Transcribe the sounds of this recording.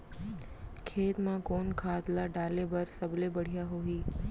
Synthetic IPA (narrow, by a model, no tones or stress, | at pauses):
kʰet̪mãkonkʰat̪laɖalebəɾsəblebəɽ̤ijaɦoiː